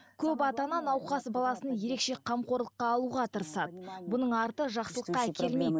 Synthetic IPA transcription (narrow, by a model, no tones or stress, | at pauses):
kʲʰɵp̬ɑt̪ɑnɑnɑwqɑsbɑlˠɑsənje̞ɾe̞kʃe̞qʰɑmqo̞ɾlˠəqːɑːlˠuʁɑt̪ʰəɾəsɑd̪əbʊnəɴɑɾt̪əʒɑqsəlˠəqːɑækʲʰe̞lmej̪